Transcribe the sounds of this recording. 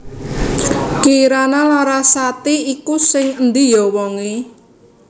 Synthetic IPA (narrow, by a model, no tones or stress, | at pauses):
kiːɾanalaɾasat̪iikusɪŋənd̪ijɔwɔŋe